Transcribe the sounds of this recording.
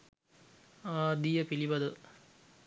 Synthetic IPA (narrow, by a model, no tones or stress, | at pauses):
aːd̪ijəpilibɐd̪ə